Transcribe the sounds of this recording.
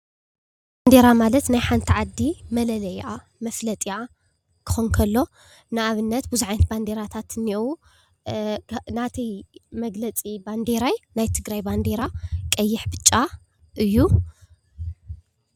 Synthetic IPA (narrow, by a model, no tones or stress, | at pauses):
band̪e̞ɾamalɐt̪najħant̪ʰiʕad̪ːimɐlɐlɐjʔa | mɐflɐt̪ʼia | kʰɨ̥xonkʰɐlːo̞ | nɨaβɨnːɐt̪buzuʕajnt̪̚band̪e̞ɾat̪ʰat̪ɨniʔu | nat̪ʰimɐɡlɐt͡sʼiband̪eɾajnajt̪ʰɨɡɾajband̪eɾakʼɐjːɪħbɨt͡ʃʼːa | ʔɨjːu